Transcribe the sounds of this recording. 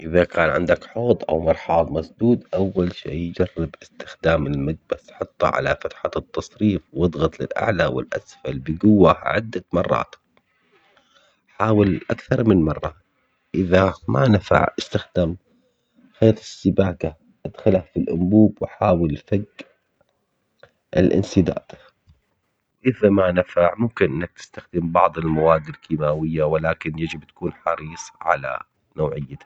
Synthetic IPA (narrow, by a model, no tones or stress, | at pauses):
ʔɪðakʰaːnʕɪ̰nd̪akħoːd̪ˤʔa̰wmɑɾˤħɑːlˤmɑsˤd̪uːd̪ʔawːalʃḛːjd͡ʒɑrːɪbʔɪst̪ɪ̥xd̪aːmɪlmad̪̚basħɑt̪ˤːɑ̰ʕa̰lafat̪ħat̪ːɑsˤɾiːfwɨd̪ˤɣɑt̪ˤlɪ̰lʔa̰ʕlawɪ̰lʔa̰sfalbɪɡʊwːaʕɪ̰d̪ːamɑrˤːɑ̰ːt̪ | ħaːwɪlʔakθɑɾˤmɪnmɑrˤːɑ | ʔɪðamanafa̰ʕʔɪst̪axd̪am | xaːt̪ˤɪsːɪbaːka | ʔad̪xalhafilʔʊ̰mbuːbwɪħaːwɪlfaɡ | ʔɪ̰lʔɪ̰nsɪd̪a̰ːd̪ | wʔɪðamanafaʕmʊmkɪnʔɪnːak̚t̪ɪ̥st̪axd̪ɪmbɑʕd̪ˤɪlmawaːd̪ːɪlkiːmaːwɪjːawɪlaːkɪnjad͡ʒɪbt̪ḁkuːnħɑɾiːsˤʕa̰la̰ | noːʕɪjːa